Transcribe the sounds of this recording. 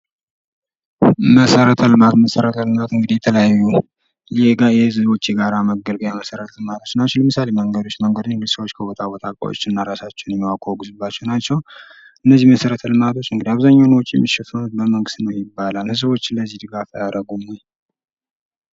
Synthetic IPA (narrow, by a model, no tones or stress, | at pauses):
məsəɾət̪ʰəlmat̪məsəɾət̪ʰəlɨmat̪ɨŋɡɨd̪ijɛt̪ʰələjajːu | jɛɡajɛɨzɨo̞t͡ʃːɛɡaɾaməɡːəlɡəjaməsəɾət̪ʰəlɨmat̪ʰo̞t͡ʃːnat͡ʃːɛwləmɨsaleməŋɡəd̪ot͡ʃːməŋɡəd̪ɨŋɡɨd̪səwot͡ʃːkʰəbot̪ʰabot̪ʰakʼa̰wo̰t͡ʃːɨnːaɾasat͡ʃːɛnjɛmwakʰoɡuzɨbːat͡ʃːɛwnat͡ʃːɛw | ʔɨnːəzːihməsəɾət̪ʰəlɨmat̪ʰo̞t͡ʃːɨŋɡɨd̪iaβzaɲːawnwɔt͡ʃʼijɛ̰mːiʃɛfənut̪bəməŋɡɨst̪nəwjɪbːalalɨzəβo̞t͡ʃːləzːihd̪ɨɡafajaɾəɡumoj